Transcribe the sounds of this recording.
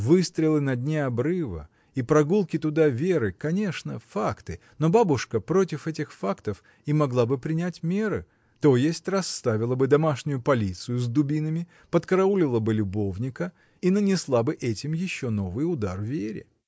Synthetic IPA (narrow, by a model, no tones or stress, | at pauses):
vɨst̪ɾʲɪlˠɨnɐd̪ʲnʲeɐbɾɨvə̰ | ipɾɐɡulˠkʲɪt̪ʊd̪avʲeɾɨkɐnʲe̞ʂnəfakt̪ɨ | no̞babʊʂkəpɾo̞tʲɪfɛtʲɪxfakt̪əf | imɐɡlˠabɨpɾʲɪnʲætʲmʲe̞ɾɨ̰ | t̪o̞jesʲtʲrɐst̪avʲɪlˠəbɨd̪ɐmaʂnʲʊjʊpɐlʲit̪sɨjʊzd̪ʊbʲinəmʲɪ | pət̪kəɾɐulʲɪlˠəbɨlʲʊbo̞vnʲɪkə | inənʲɪslˠabɨʔɛtʲɪmjɪɕːono̞vɨjʊd̪arvʲeɾʲɪ̰